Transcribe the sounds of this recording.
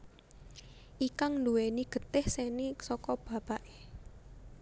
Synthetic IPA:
ʔikaŋnduweniɡ̥ə̤t̪ɪhsenisɔkɔb̥ä̤paʔe

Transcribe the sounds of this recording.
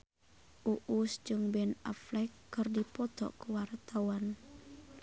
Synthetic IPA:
ʔuʔusd͡ʒʊŋbɛna̰flɛkːɨrdipɔt̪ɔ̰ʔkəwart̪awan

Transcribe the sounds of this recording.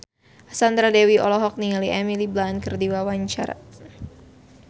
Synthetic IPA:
ʔasand̪ɾadɛwiɔlɔɦɔk̚niŋaliʔɛmiliblankərdiwawaɲt͡ʃa̰ɾa̰

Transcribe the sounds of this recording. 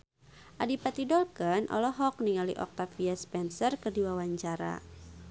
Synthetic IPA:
ʔadipat̪idɔlkənʔɔ̰lɔɦɔk̚niŋalḭʔɔ̰k̚t̪afiaspɛnsərkərdiwawaɲt͡ʃaɾa̰

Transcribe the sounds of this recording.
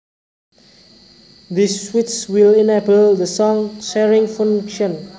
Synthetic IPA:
d̪iswitswilinɛbəldəsɔ̃ŋʃɛɹĩŋfãŋkʃə̃n

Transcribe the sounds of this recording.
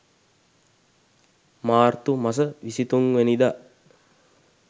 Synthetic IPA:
maːrt̪umas̬əʋisit̪uŋʋenid̪a

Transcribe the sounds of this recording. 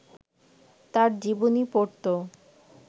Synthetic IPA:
t̪aɾd͡ʑibonipoɾt̪o

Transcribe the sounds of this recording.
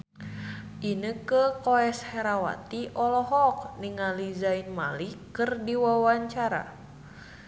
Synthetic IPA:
ʔinəkəkoɛshɛɾawa̰t̪iʔɔlɔɦɔk̚niŋalizainma̰likɨrdiwawaɲt͡ʃaɾa̰

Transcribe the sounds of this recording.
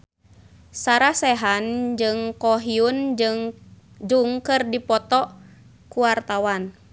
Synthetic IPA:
saɾasɛɦand͡ʒɨŋkɔɦiund͡ʒɨŋ | d͡ʒuŋkɨrdipɔt̪ɔ | kuwart̪awan

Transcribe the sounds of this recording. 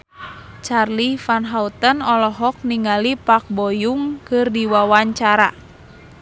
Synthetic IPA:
t͡ʃarlifanɦaut̪ənɔlɔɦɔk̚niŋalipak̚bɔjuŋkɨrdiwawaɲt͡ʃaɾa

